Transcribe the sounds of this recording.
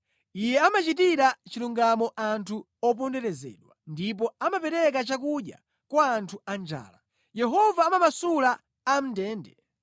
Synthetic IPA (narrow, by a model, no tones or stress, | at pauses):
ijɛamat͡ʃitiɾat͡ʃiluŋɡamɔʔantʰu | ɔpɔndɛɾɛzɛ̰ɗwandip̬ɔamapɛɾɛk̬at͡ʃakuɗja̰ | kwaːntʰuand͡ʒa̰ːla | jɛɦɔvaːmamasulaː | m̩dɛːndɛ